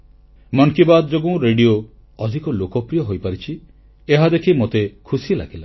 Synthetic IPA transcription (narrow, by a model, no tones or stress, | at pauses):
mɔnkibad̪d͡ʒoɡũɾeɖio | ɔd̪ʱikɔlokɔpɾijɔɦojpaɾit͡ʃʰi | eɦad̪ekʰimot̪ekʰusila̰ɡila